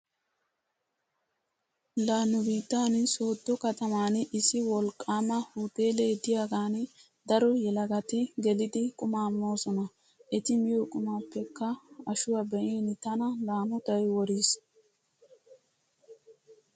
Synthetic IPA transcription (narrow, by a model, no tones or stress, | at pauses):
laːnʊbiːt̪ːaːnso̞ːd̪ːɔkɐt̪ɐmaːnɪsɪwɔlkʼːaːmɐhuːt̪e̞ːleːd̪ɪjaːɡaːn | d̪ɐɾɔjɛlɐɡɐt̪ɪɡɛlɪd̪ɪkʼʊmaːmːo̞ːsɔnɐ | ʔɛt̪ɪmɪjoːkʼʊmɐwpːɛkːɐɐʃʊwɐbɛʔiːnt̪ɐnɐlaːmʊt̪ɐjwɔɾiːs